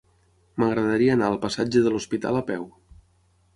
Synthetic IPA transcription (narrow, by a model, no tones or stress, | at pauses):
məɣɾəðəɾiəːnaəlˠpəsad͡ʒəðəluspit̪a̰ləpɛw